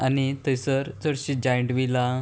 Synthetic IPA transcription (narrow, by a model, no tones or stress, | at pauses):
anit̪əjsəɾt͡səɽɕid͡ʑajəɳʈʋila